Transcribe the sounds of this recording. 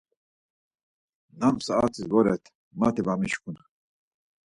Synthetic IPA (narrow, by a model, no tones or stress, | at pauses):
namsaat͡sʰʼisvɔɾɛ̰t̪ʰ | mat̪ʰibamiʃkʰun